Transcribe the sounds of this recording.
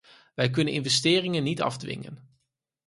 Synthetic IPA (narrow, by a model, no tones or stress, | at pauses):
ʋɛjk̬ɵnənʔɪnvɛstɪːrɪŋənːitɑ̰vdʋɪ̰ŋə̰n